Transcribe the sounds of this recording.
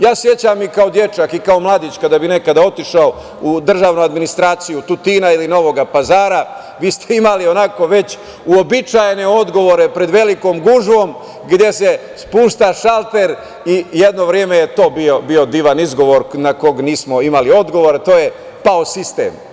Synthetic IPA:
jaːsje̞t͡ɕamikao̞d̪je̞t͡ʃakikao̞mlˠaːd̪it͡ɕkad̪abine̞kad̪ao̞t̪iʃao | ud̪r̩ʒaːʋnuad̪minist̪ɾaːt̪sijut̪ut̪iːnailino̞ʋo̞ɡapazaːɾa | ʋiːst̪e̞imalio̞nako̞ʋe̞t͡ɕ | uobit͡ʃajene̞o̞d̪ɡo̞ʋo̞ɾe̞pɾe̞d̪ʋe̞liko̞ːmɡuʒʋo̞m | ɡd̪je̞se̞ | spuːʃt̪aʃalˠt̪e̞ɾ | ijed̪no̞ʋɾjeːme̞je̞t̪o̞ːbiobio̞d̪iːʋanizɡo̞ʋo̞ɾnako̞ɡniːsmo̞imalio̞d̪ɡo̞ʋo̞ɾat̪o̞ːje̞ | paosist̪e̞̰m

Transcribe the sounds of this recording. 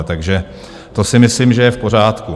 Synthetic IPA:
t̪aɡʒɛ | t̪osɪmɪslimʒɛjɛfpo̞r̝aːt̪ku

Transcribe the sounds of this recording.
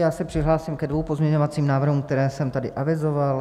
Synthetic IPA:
jaːsɛpr̥ɪɦlaːsɪmkɛdvowpo̞zmɲɛɲo̞vat͡siːmnaːvr̩ɦumk̚t̪ɛɾɛːsɛmt̪adɪʔavɪzo̞val

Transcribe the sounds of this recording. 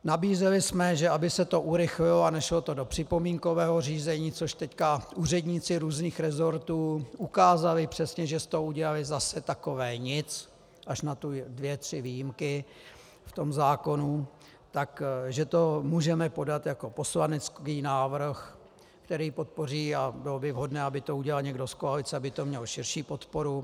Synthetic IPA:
nabiːzɛlɪsmɛʒɛabɪsɛt̪o̞ʔuɾɪxlɪloanɛʃlo̞t̪o̞dopr̝̥ɪpo̞miːŋko̞vɛːɦo̞riːzɛɲiːt͡soʃt̪ɛckaʔuːrɛdɲiːt͡sɪɾuːzniːxɾɛzo̞ɾt̪uːʔukaːzalɪpr̝̥ɛsɲɛʒɛst̪ouɟɛlalɪzasɛt̪ako̞vɛːɲɪt͡s | ʔaʃnat̪ʊdvjɛt̪r̝̥ɪviːjimkɪ | ft̪o̞mzaːko̞nu | t̪akʒɛt̪o̞muːʒɛmɛpo̞dat̪jako̞po̞slanɛt͡skiːnaːvr̩x | kt̪ɛɾiːpo̞t̪̚po̞riːabɪlobɪvɦo̞dnɛːabɪt̪o̞uɟɛlalɲɛɡdo̞skoalɪt͡sɛabɪt̪o̞mɲɛlʃɪɾʃiːpo̞t̪po̞ɾu

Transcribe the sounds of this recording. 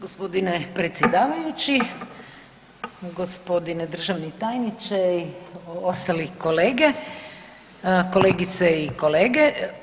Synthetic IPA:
ɡospo̞d̪inepɾet̪sʲjed̪aːʋajut͡ɕi | ɡospo̞d̪ined̪r̩ʒaʋnit̪aːjnit͡ʃeiost̪aliko̞leːɡe | ko̞leːɡit̪seiko̞leːɡe

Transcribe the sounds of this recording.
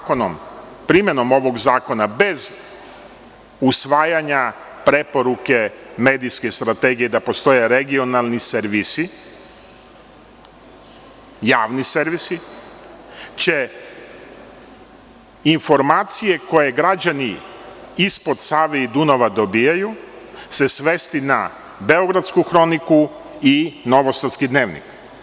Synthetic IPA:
konompɾimjeno̞mo̞ʋo̞ɡzaːko̞nabe̞z | usʋaːjaɲa | pɾe̞po̞ɾuke̞me̞ːd̪ijske̞st̪ɾat̪eɡije̞d̪apo̞st̪o̞je̞ɾe̞ɡio̞nalˠniseɾʋisi | jaːʋniseɾʋisi | t͡ɕe | info̞ɾmaːt̪sije̞ko̞je̞ɡɾad͡ʑani | ispo̞d̪saːʋeid̪unoʋad̪o̞biːjajuse̞sʋe̞st̪ina | be̞o̞ɡɾad̪skuxɾo̞niku | ino̞ʋost̪at̪skid̪ne̞ːʋnḭk

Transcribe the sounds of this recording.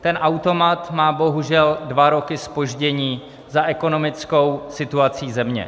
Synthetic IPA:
t̪ɛnʔawt̪o̞mat̪maːbo̞ɦuʒɛldvaɾo̞kɪspo̞ʒɟɛɲiː | zaʔɛko̞no̞mɪt͡sko̞wsɪt̪uat͡siːzɛmɲɛ̰

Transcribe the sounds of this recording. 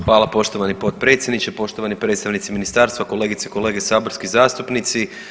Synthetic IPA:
xʋaːlapo̞ʃt̪o̞ʋanipo̞t̪̚pɾe̞t̪sʲjed̪nit͡ɕepo̞ʃt̪oʋanipɾe̞t̪st̪aʋnit̪siminist̪aːɾst̪ʋako̞le̞ːɡit̪seko̞le̞ːɡesaːbo̞ɾskizaːst̪upnit̪si

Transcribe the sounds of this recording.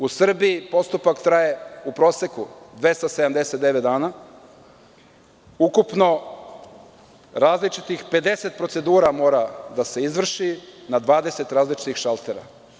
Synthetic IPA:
usr̩biipo̞st̪upakt̪ɾajeupɾo̞ːse̞kud̪ʋe̞st̪ase̞d̪amd̪e̞set̪d̪e̞ʋet̪d̪aːna | ukupno̞ | ɾaːzlit͡ʃit̪ixpe̞d̪e̞se̞t̪̚pɾose̞d̪uːɾamo̞ːɾad̪ase̞izʋr̩ʃinad̪ʋaːd̪e̞se̞t̪ɾaːzlit͡ʃi̥t̪ixʃalˠt̪e̞ɾa̰

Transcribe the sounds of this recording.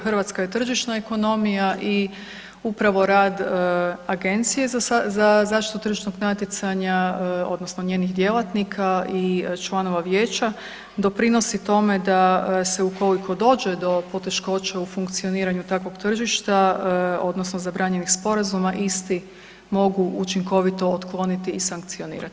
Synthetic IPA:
xr̩ʋat̪skajet̪r̩ʒiʃnaeko̞no̞mijaʔi | upɾaʋo̞ɾaːd̪aɡe̞nt̪sije̞zzazaːʃt̪i̥t̪ut̪r̩ʒiʃno̞ɡnat̪jet̪saɲao̞̰d̪no̞snoɲje̞ːnixd̪je̞lˠat̪nikʰait͡ʃlˠano̞ʋaʋjeːt͡ɕa | d̪o̞pɾino̞sit̪o̞me̞d̪ase̞uko̞likʰo̞d̪o̞ːd͡ʒe̞d̪o̞po̞t̪e̞ʃko̞t͡ɕaufuŋk̚t̪sio̞niːɾaɲut̪akʋo̞ɡt̪r̩ʒiʃt̪ao̞d̪no̞snozabɾaɲe̞nixspo̞ɾazumaʔist̪i | mo̞ɡuʔut͡ʃiŋko̞ʋit̪o̞ot̪klˠo̞nit̪iːsaŋk̚t̪sio̞nḭːɾa̰t̪i̥

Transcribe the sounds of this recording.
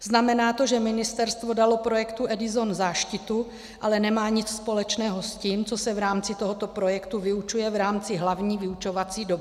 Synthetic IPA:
znamɛnaːt̪o̞ʒɛmɪnɪst̪ɛɾst̪vo̞dalo̞pɾo̞jɛkt̪uʔɛdɪzo̞nzaːʃcɪt̪u | ʔalɛnɛmaːɲɪt͡sspo̞lɛt͡ʃnɛːɦo̞sciːmt͡so̞sɛvɾaːmt͡sɪt̪o̞ɦot̪o̞pɾo̞jɛkt̪uvɪut͡ʃujɛvɾaːmt͡sɪɦlavɲiːvɪut͡ʃo̞vat͡siːdob

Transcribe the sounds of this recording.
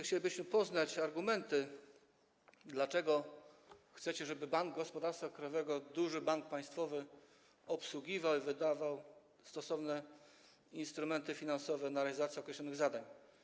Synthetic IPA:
xt͡ɕelʲibɘɕmɘpɔznat͡ɕaɾɡumɛnt̪ɘ | d̪lat͡ʂɛɡɔ | xt̪sɛt͡ɕɛʐɛbɘbaŋɡɡɔspɔd̪aɾst̪fakɾajɔvɛɡɔd̪uʐɘbaŋk̚paj̃st̪fɔvɘ | ɔpswuɡʲivawivɘd̪avaw | st̪ɔsɔvnɛ | inst̪ɾumɛnt̪ɘfʲinansɔvɛnaɾɛalʲizat̪sʲiɔkɾɛɕlɔnɘɣzad̪aɲ

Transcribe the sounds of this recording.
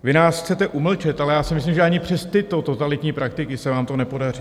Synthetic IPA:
vɪnaːsxt͡sɛt̪ɛʔuml̩t͡ʃɛt̪ʔalɛjaːsɪmɪs̬limʒɛʔaɲɪpr̥ɛst̪ɪt̪o̞t̪o̞t̪alɪt̪ɲiːpɾakt̪ɪkɪsɛvaːmt̪o̞nɛpo̞dari

